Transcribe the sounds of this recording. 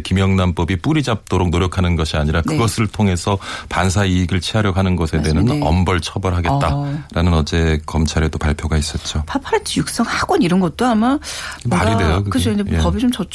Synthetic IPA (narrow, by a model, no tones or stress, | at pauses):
kimjʌŋnamp͈ʌbip͈uɾid͡ʑap̚t͈oɾok̚noɾjʌkʰanɯnɡʌɕʰiaɲiɾakkɯɡʌsʰɯɭtʰoŋe̞sʰʌpans̬ʰaiːɡɯɭt͡ɕʰiaɾjʌɡɦanɯnɡʌsʰe̞denɯnʌ̰mbʌɭt͡ɕʰʌbʌɾɭɦaɡe̞tt͈aɾanɯnʌd͡ʑe̞kʌmt͡ɕʰaɾe̞dopaɭpʰjoɡais͈ʌt̚t͡ɕ͈opʰapʰaɾt͡ɕʰijuk̚s͈ʌŋhaɡwʌniɾʌnɡʌt̚t͈oamamaɾidejokɯt͡ɕʰoindepʌbit͡ɕomt͡ɕʌt͡ɕ